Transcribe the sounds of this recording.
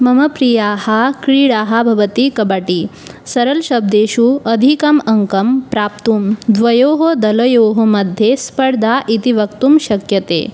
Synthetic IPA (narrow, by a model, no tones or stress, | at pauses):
mɐmɐpɾijahakɾiːɽaɦabʱɐʋət̪ikɐbaʈisɐɾəlɕɐb̚d̪eːɕuɐd̪ʱikɐmɐŋkɐmpɾaːp̚t̪uːmd̪ʋɐjoːɦod̪ɐlɐjoːɦomɐd̪ʱjespəɾd̪ʱaʔit̪iʋɐkt̪umɕɐkjɐt̪ḛː